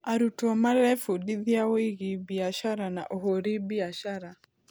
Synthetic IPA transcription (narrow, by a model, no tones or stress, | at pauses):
aɾutɔmaɾɛfudiðjawiɡɪbiaʃaɾana̰ʔohoɾibiaʃaɾa